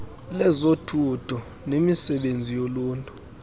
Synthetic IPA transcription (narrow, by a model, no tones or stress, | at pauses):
lɛzotʰud̥ʰʱɔ | nemisɛɓend͡zʱijoluːntʼu